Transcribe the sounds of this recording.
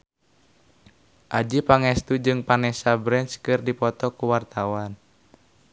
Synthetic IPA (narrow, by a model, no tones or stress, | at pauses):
ʔad͡ʒipaŋɛst̪ud͡ʒɨŋpanɛsabɾɛnt͡ʃkɨrdipɔt̪ɔkuwart̪awan